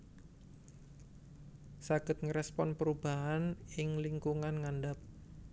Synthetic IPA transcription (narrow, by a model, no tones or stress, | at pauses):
saɡ̥ə̤t̪̚ŋəɾɛspɔnpəɾub̥aɦanɪŋliŋkuŋanŋandap̚